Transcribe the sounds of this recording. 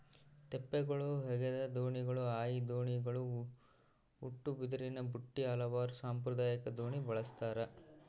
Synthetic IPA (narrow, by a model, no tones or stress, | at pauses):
t̪epːɛɡoɭɐuɦɛɡed̪ɐd̪oːɳiɡɐɭuaːjid̪oːɳiɡɐɭu | uʈːubid̪ɐɾinɐbuʈːiɐlɐʋaːɾusaːmpɾɐd̪aːjɐkɐd̪oːɳibɐɭɐst̪aːɾɐ